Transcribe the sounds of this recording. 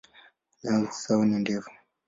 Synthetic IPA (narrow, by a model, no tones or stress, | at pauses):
nasaunindɛvu̥